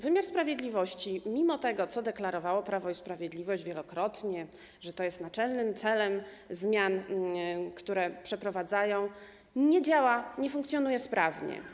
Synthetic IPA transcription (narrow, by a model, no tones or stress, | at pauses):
vɘmʲjaɾspɾavʲjɛd̪lʲivɔɕt͡ɕimʲimɔt̪ɛɡɔt̪sɔd̪ɛklaɾɔvawɔpɾavɔispɾavʲjɛd̪lʲivɔɕd͡ʑvʲjɛlɔkɾɔt̪ɲɛ | ʐɛt̪ɔjɛst̪nat͡ʂɛlnɘmt̪sɛlɛm | zmʲjan | kt̪uɾɛpʂɛpɾɔvad̪zajɔ̃w̃ | ɲɛd͡ʑawaɲɛfuŋkt̪sʲjɔnujɛspɾʔavɲɛ̰